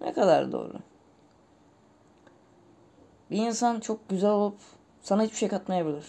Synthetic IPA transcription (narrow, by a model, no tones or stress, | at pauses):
nʔɛ̰kʰad̪a̰ɾd̪o̰ːɾʊ̰ | biinsant͡ʃʰo̞k̚ɟyzælʲolˠup | sanaɦit͡ʃbiʃejkʰat̪majabilʲiɾ̥